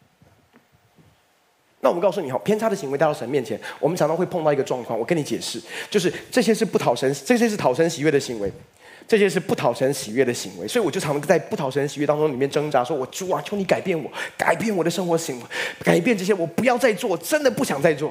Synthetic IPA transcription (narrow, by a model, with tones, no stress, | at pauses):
na˥˩wɔ˨m˦kʊs̬u˥˩ni˨˩xɑ˨˩ʊpʰjɛ˥nʈ͡ʂʰa˥d̪ə˩ɕi˧˥we˧˥t̪ʂə˧˦nmjɛ˥˩nt͡ɕʰjɛ˧˦nwɔ˨˩mə˦nʈ͡ʂʰɑ˨˩ŋt̪ɑ˥xwe˥˧ɪpʰŋt̪ɑ˥˩ʊ˧ɡə˧ʈ͡ʂwɑ˥˧ŋkʰwɑ˥˩ŋwɔ˨˩kə˦˥ni˧˥t͡ɕjɛ̰˨˩ʂɻ̩˥˩t͡ɕjo˥˧ʊʂ̬ɻ̩˥˩ʈ͡ʂɤ˥˩ɕ̬jɛ˥ʂɻ̩˥˧pu˥˩t̪ʰɑ˨˩ʊʂə˧˥nʈ͡ʂɤ˥˩ɕ̬jɛ˥ʂɻ̩˥˩t̪ʰɑ˨˩ʊʂə˧˥nɕi˨ɥɛ˥˩d̪ə˩ɕi˧˥ŋwe˧˥ɪ | ʈ͡ʂɤ˥˩ɕjɛ˦˥ʂɻ̩˥˧pu˥˩t̪ʰɑ˨˩ʊʂə˧˥nɕi˨˩ɥɛ˥˩d̪ə˩ɕḭ˧˥ŋwḛ˧˥ɪswɔ˧˥i˧wɔ˨˩t͡ɕo˥˩˧ŋ˥t͡sa˥˧ɪpu˥˩ɑ˨˩ʊʂə˦n˩ɕi˨ɥɛ˥˩t̪ɑ˥ŋʈ͡ʂʊ˥ŋli˨˩mjɛ˥˩nʈ͡ʂɤ˥ŋʈ͡ʂa˧˥ʂwɔ˥wɔ˨˩ʈ͡ʂu˨˩a˨˩t͡ɕjo˧˥ʊni˧˥ka˨˩ɪpjɛ˥˩nwɔ˨˩ka̰˨˩ɪpjɛ˥˩nwɔ˨˩d̪ə˦ʂɤ˥ŋxwɔ˧˥ɕi˧˥ŋwe˧˦ɪka˨˩ɪpjɛ˥˧nʈ͡ʂɤ˥˩ɕ̬jɛ˥wɔ˨˩pu˧˥jɑ˥˧ʊt͡sa˥˧ɪt͡swɔ˥˩ɔ˨˩ʈ͡ʂə˦˥nd̪ə˨pu˥˩ɕjɑ˨˩ŋt͡sa˥˧ɪt͡swɔ˥˩